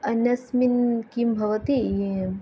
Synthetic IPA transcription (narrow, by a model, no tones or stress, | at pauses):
ɐnɐsminkimbʱɐʋɐt̪ije